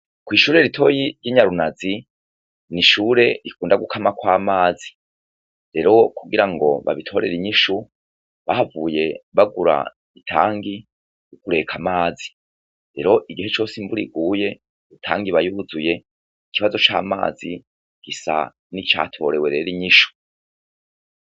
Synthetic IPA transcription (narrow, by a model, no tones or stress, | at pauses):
kwiːʃuːɾe̞ɾitʰo̞jiɾjiːɲaɾunazi | niʃuːɾe̞ɾikuːndaɡukʰamakwaːmaːzi | ɾe̞ɾo̞kuɡiɾaŋɡo̞̰βa̰βitʰo̞ɾe̞ɾiɲiʃu | βahavuːje̞βaɡuɾa̰ | itʰa̰ːŋɡi | jukuɾe̞kʰamaːzi | ɾe̞̰ɾo̞ʔiɡihe̞t͡ʃo̞ːsimbuɾiɡuːje̞ | utʰa̰ːŋɡiβajuuzuje̞ | ikiβazo̞t͡ʃa̰ːma̰ːzi | ɡ̥isa̰ | nit͡ʃa̰ːtʰo̞ɾe̞we̞ɾe̞ɾiɲiʃu̥